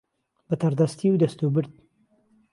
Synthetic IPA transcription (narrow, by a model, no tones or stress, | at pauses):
bɐt̪ʰɐɾd̪ɐst̪ʰiwd̪ɐst̪ubɨɾd̪̚